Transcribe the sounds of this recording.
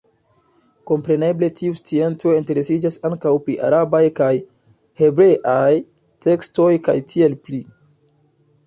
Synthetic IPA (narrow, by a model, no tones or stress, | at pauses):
ko̞mpɾe̞ne̞ble̞tʰiust͡sie̞nt͡so̞inte̞ɾe̞sid͡ʒasaŋkawpɾiʔa̰ɾabajkaj | he̞bɾe̞ʔaj | te̞ksto̞jka̰jtʰie̞lpli